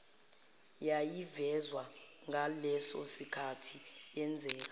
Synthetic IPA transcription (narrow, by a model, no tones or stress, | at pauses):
jajivɛzwa | ŋʱalɛsɔsikʰatʰiɛnd͡zʱɛːka